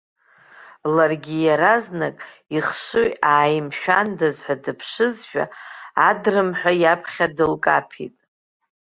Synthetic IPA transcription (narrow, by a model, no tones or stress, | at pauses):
larɡʲijaɾaznakʼ | iχʂɨjaːjmʃᶣandazħʷᶣadɨpʰʂɨzʃᶣa̰adrɨmħʷᶣajapʰχʲadɨlkʼa̰pʰḭtʼ